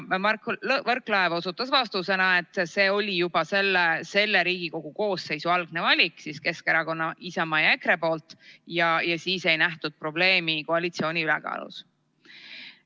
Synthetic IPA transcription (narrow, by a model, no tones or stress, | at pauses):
mɑkvɤrklɑevo̞sut̪ːˑɑsvɑst̪use̞nɑe̞t̪ːˑse̞ːo̞lʲijub̥ɑse̞lːese̞lːeɾiːɡ̥iko̞ɡ̥uko̞ːsːe̞jsuɑlɡ̥̚ne̞vɑlʲikˑsiske̞skeɾɑko̞nːɑisɑmɑjɑe̞kɾe̞po̞ːlt̪ˑjɑjɑsiːse̞jnæht̪ud̪̥̚pro̞ble̞ːmikoɑlʲit̪sio̞ːnʲiylɛ̰kɑ̰ːlṵs